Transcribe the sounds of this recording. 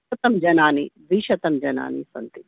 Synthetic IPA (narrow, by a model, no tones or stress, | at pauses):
ɐt̪ɐmd͡ʒɐnaːnid̪ʋiːʃɐt̪ɐmd͡ʒɐna̰ːnḭsɐnt̪i